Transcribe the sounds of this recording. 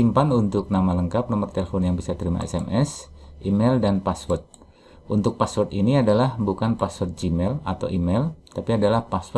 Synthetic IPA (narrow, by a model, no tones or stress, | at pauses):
impanunt̪ʊk̚namaləŋkap̚nɔmərt̪elefɔnjaŋbisat̪əɾima̰ɛ̰sɛmʔɛsʔimɛldanpaswɔrt̪̚ | ʔunt̪ʊk̚paswɔrt̪iniadalahbukanpaswɔrt̪̚d͡ʒimɛlat̪a̰wʔimɛlt̪apiadalahpasw